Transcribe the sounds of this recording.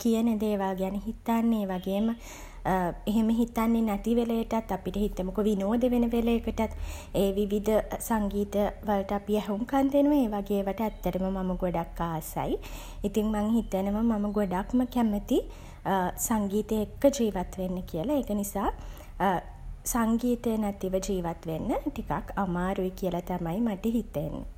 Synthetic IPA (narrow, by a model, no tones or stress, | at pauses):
kijənəd̪eːʋaːɡeaniɦit̪anːeeːʋaɡeːmə | eɦeməɦit̪anːenaʈiʋeləjəʈat̪ːapiʈəɦit̪ːəmokoʋinoːd̪əʋenəʋelejekəʈat̪ | eːʋiʋid̪ʱəsaŋɡiːt̪əʋalʈəapiɛɦuŋkant̪enuʋəeːʋaɡeːʋəʈəæt̪ːəɾəməmaməɡoɖakːaːsa̰j | it̪iŋmaŋhit̪enəʋəmaməɡoɖakməkæmət̪i | saŋɡiːt̪əekːəd͡ʒiːʋat̪ʋenːəkiəlaeːkənisaː | saŋɡiːt̪ənɛt̪iʋəd͡ʒiːʋat̪ʋenːəʈikakamaːɾuikiəlat̪amajmaʈəɦit̪ːeenːə̰